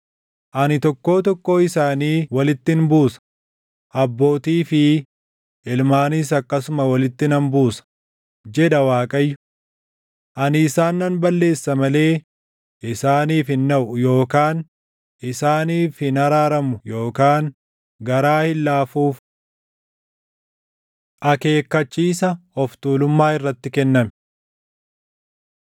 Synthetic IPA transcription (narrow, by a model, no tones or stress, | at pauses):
ʔɐnɪt̪ɔkːo̞ːt̪ɔkːo̞ːɪsaːniːwɐlɪt̪ːɪnbuːsɐ̥ | ʔɐbːo̞ːt̪iːfɪ | ɪlmaːnis̬ɐkːɐsʊmɐwɐlɪt̪ːɪnɐnbuːsɐ̥ | d͡ʒɛᶑɐwaːkʼɐjːʊ̥ | ʔɐnɪsaːnːɐnbɐlːe̞ːsːɐmɐle̞ː | ʔɪsaːniːfɪnːɐʔʊjo̞ːkaːn | ʔɪsaːniːfɪnɐɾaːɾɐmʊjo̞ːkaːŋ | ɡɐɾaːhɪlːaːfuːf | ʔɐke̞ːkːɐt͡ʃːiːsɐɔft̪uːlʊmːaːɪrːɐt̪ːɪkɛnːɐmɛ